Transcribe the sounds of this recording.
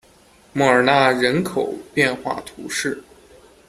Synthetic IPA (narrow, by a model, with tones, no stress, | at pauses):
mɔ˥˩ə˞˨˩na˥˩ɻə˧˥nkʰo˨˩ʊpjɛ˥˧nxwa̰˥˩t̪ʰṵ˧˥ʂɻ̩˥˩